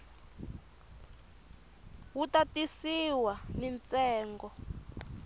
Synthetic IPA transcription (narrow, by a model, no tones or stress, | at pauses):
wutatisiwanint͡sɛːŋɡɔ